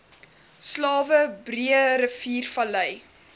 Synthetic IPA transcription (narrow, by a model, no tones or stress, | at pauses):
slɑːvəbriəɾəfiːrfɐləj